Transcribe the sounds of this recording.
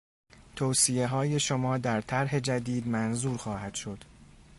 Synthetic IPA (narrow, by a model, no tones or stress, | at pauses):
t̪ʰowsije̞ɦɒːje̞ʃomɒːd̪æɾt̪ʰæɾɦe̞d͡ʒæd̪iːd̪mænzuːɾxɒːhæd̪̥ʃo̞d̪̥